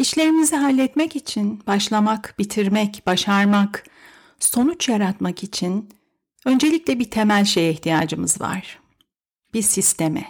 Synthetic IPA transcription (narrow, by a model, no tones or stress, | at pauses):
iʃlʲe̞ɾimiziɦalʲːɛt̪mɛcit͡ʃʰinbaʃlˠamakb̥it̪ʰiɾmɛcb̥aʃaɾmak | so̞nut͡ʃjaɾat̪makit͡ʃʰin | ø̞nd͡ʒe̞lʲiclʲɛbit̪ʰe̞mælʲʃejɛht̪ʰijaːd͡ʒɯmɯzva̰ɾ̥ | b̥iɾsist̪ʰemɛ